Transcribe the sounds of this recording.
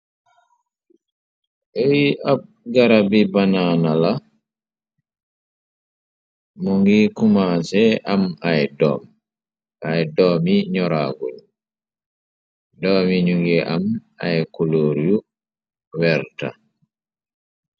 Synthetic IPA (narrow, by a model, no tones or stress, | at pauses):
ʔewiʔab̚ | ɡaɾabibananala | mɔŋɡikumasɛʔamajdɔ̰m | ʔajdɔmiɲɔɾa̰ɡun | dɔːmiɲuŋɡɛʔam | a̰jkuloɾju | wɛɾta̰